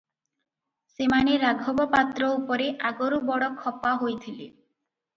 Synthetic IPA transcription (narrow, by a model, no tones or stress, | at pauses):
semaneɾaɡʱɔbɔpat̪ɾɔupɔɾeʔaɡoɾubɔɽɔkʰːɔpaɦojt̪ʰile